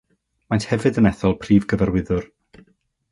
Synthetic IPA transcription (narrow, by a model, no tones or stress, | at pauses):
manthɛvɨdənɛθɔlˠpʰriːvɡəvɛrwɪðʊr